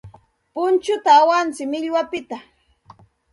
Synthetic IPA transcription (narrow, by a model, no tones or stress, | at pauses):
pʊnt͡ʃʊt̪aːwant͡sɪmɪʎwapɪt̪a